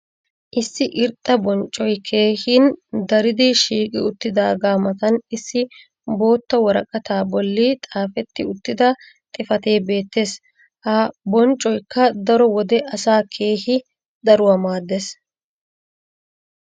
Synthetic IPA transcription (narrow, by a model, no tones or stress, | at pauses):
ʔɪsːɪʔɪɾt̪ʼːɐbɔnt͡ʃʼːɔjkʰeːhiːnd̪ɐɾɪd̪ɪʃiːkʼɪʊt̪ːɪd̪aːɡaːmɐt̪ɐnɪsːɪ | bo̞ːt̪ːɐwɔɾɐkʼɐt̪aːbɔlːit̪ʼaːfɛt̪ːɪʊt̪ːɪd̪ɐ | t̪ʼɪfɐt̪e̞ːbe̞ːt̪ːe̞ːs | hɐbɔnt͡ʃʼːɔjkːɐd̪ɐɾɔwɔd̪ɛʔɐsaːkʰe̞ːhɪ | d̪ɐɾʊwɐmaːd̪ːes